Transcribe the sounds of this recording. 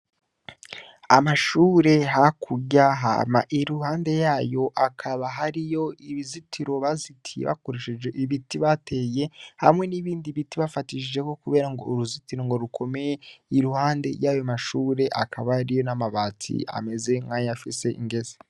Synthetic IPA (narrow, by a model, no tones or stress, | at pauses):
amaʃuːɾe̞ɦakʰuɟaɦa̰ma̰ʔiɾuhaːnde̞jaːjo̞ʔakʰaβaɦaɾijo̞iβizitʰiɾo̞βazitʰiḛβa̰koɾeʃeʒeʔiβitiβate̞ːje̞hamŋe̞niβiːndiβitiβafatiʃiʒe̞ko̞kuβe̞ːɾaŋɡo̞̰uɾuzitiɾo̞ŋɡo̞ɾukʰo̞me̞jeiɾuhaːnde̞̰jaːjomaʃuːɾe̞ʔa̰kaβahaɾijo̞namaβaːtʰḭa̰me̞ze̞ŋɡaːɲafise̞ʔḭŋɡe̞ze̥